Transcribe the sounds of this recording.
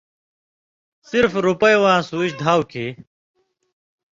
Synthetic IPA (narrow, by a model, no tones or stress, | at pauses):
siɾfɾupɐjwãːsuːiɕd̪ʱaːwkʰeː